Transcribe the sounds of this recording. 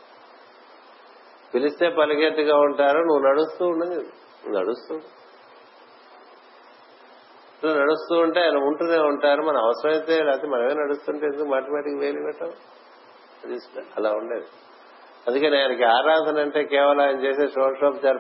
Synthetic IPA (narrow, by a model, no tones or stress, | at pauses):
pilist̪e̞ːpɐlɐkeʈːuɡaːuɳʈaːɾunuʋːunɐɽust̪uːɳɖɐni | unɐ̰ɽust̪uː | ɐʈlaːnɐɽust̪uːuɳʈe̞ːjɐnɐuɳʈund̪eːuɳʈaːɾumɐnɐmɐʋɐsɾɐʋɐjt̪eːɾaːt̪emɐnɐkeːnɐɽust̪uːɳʈeend̪ukomaːʈɐmaːʈikiʋeːliʋɛʈːɐ | ɐd̪isɐlaːuɳɖeːd̪i | ɐnd̪ukeːniaːjnɐkiaːɾaːnt̪ʰɐnɐɳʈe̞ːkɛːʋɐlɐ̃maːjɐnɐt͡ʃeːseːʂoːʈʂaːpt͡ʃaːɾ